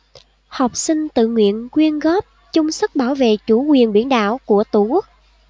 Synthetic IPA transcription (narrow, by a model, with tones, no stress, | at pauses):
hɔ˨˩wk͡p̚sï˧ŋ̟t̪ɨ̰˧˨ŋwḭ˧˨ənkwi˧ənɣɔ˦˥p̚ | t͡ɕʊ˧ŋ͡msə˦˥t̚ɓaː˧˩wvḛ˧˨t͡ɕu˧˩˦kwi˨˩ənɓi˧˩ənɗa̰ː˧˨wku˧˩ət̪u˧˩ku˦˥k̚